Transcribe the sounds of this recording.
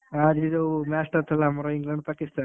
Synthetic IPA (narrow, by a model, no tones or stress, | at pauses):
ad̪id̪omaːsʈɐt̪ʰɐlamɐɾoiŋɡlɐɳɖ̚paːkist̪aː